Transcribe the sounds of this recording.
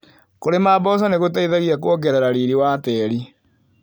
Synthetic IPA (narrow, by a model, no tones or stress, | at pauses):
koɾemaːbɔs̬ɔneɣotaiðaɣiakwɔɡɛɾɛɾaɾiɾiwaːtɛːɾi